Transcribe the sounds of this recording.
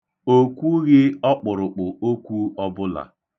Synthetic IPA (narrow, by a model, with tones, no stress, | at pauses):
o˦kʷu˦ɣɪ˦ɔ˦k͡pʊ˨ɾʊ˨k͡pʊ˨o˦kʷu˦ɔ˦bʊ˦la̰˨